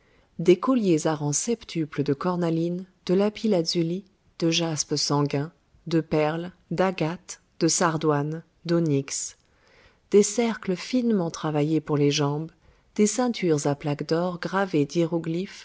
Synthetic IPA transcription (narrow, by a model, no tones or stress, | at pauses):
d̪ekɔljezaʁɑ̃sɛpt̪ʰypləd̪əkɔʁnalind̪̥əlapilazyli | d̪̥əʒaspsɑ̃ɡɛ̃ | d̪əpɛʁl | d̪aɡat̪ | d̪̥əsaʁd̪wan | d̪oniks | d̪̥esɛʁkləfinmɑ̃t̪χavajepuʁleʒɑ̃b | d̪̥esɛ̃t̪ʰyʁzaplakd̪ɔʁɡʁaved̪iʁɔɡlif